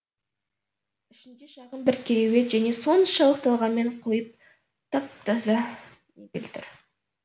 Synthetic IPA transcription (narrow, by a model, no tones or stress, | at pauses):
ɪʃɪnd̪eʃɑʁəmbɪɾkʲʰeɾewe̞t̪ʒæneso̞nʃɑlˠəq̚t̪ɑlˠʁɑnme̞ɴqʰo̞jəp̚ | t̪ʰɑp̚t̪ʰɑzɑ | nebʲḛlt̪ʰɪ̰ɾ